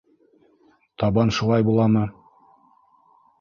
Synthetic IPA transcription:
t̪ɑbɑnʃulˠɑjbulˠɑmɤ

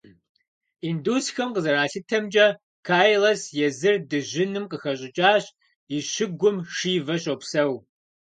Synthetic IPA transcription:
induːsxɐmqəzɐɾaːɬɨtʰɐmd͡ʒʼɐ | kʰaːjlɐsjɛzɨrdɨʑɪnɨmqəxɐɕʼɪt͡ʃʼaːɕ | iɕɪɡʷʊmʂiːvɐɕʼopsɐw

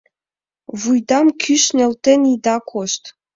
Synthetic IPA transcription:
βujd̪ɑmkʰyʃnʲĕlt̪enid̪ɑkʰoʃt̪

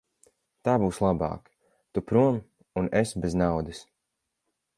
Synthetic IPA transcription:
t̪aːbuːslˠabɑ̰ːk | t̪upɾuɔm | unesbeznawd̪ɨs

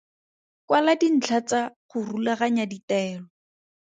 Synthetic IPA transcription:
kwaladin̩t͡ɬʰat͡saχʊrulaχaɲaditɛːlɔ

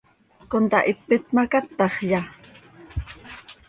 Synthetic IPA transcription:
kont̪ɑ̰ʔɪpːɪt̪makat̪ːɑχja

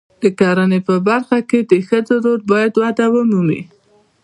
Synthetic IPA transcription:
d̪̥əkɑɾanepəbaɾxaked̪əxəd͡zoɾoɾbɑjad̪wad̪awəmumḭ

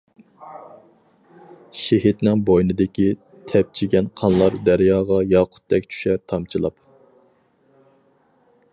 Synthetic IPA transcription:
ʃeɦit̪nɪŋbojnɨd̪ɪkʲi | t̪ʰɛp̚t͡ʃʰiɡʲɛnqʰɑnlˠɑɾd̪æɾjɑːʁɑjɑːqʰʊ̥t̪̚d̪ɛkʲt͡ʃʰy̥ʃɛɾt̪ʰɑmt͡ʃʰilˠɑp

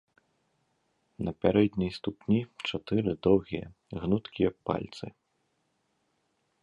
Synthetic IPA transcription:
nɐpʲaɾɛd̪ʲnʲijst̪upnʲit͡ʂat̪ɨɾɨd̪ɔwɣʲijɐ̰ | ɣnut̪kʲijɐpa̰lʲt̪sɨ

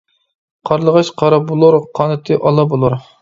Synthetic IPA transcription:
qʰɑɾlˠəʁɑʃqʰɑɾɑbolˠuɾqʰɑːnɨt̪ʰɨʔɑlˠɑbolˠuɾ

